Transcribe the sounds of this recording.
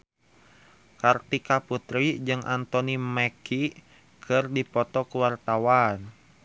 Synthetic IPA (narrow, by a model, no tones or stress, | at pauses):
kart̪ikaput̪ɾid͡ʒɨŋʔa̰nt̪ɔnimɛki | kʰɨrdipɔt̪ɔkuwart̪awan